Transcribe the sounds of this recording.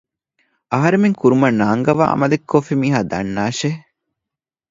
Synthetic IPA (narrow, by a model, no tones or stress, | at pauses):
ɐɦɐɾemeŋkuɾumɐnaːŋɡɐʋa̰ːɐ̰mɐlekʰːofimiːɦaːd̪ɐ̰nːaːʃe